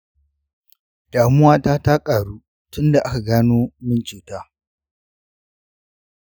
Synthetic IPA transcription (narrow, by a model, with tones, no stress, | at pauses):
d̥aː˨mʊ˦waː˦taː˦ta˦kʼaː˨ɽuː˦ | tʊ˦nda˨ʔa˦ka˨ɡaː˦noː˦mɪ˦nt͡ʃeː˨taː˦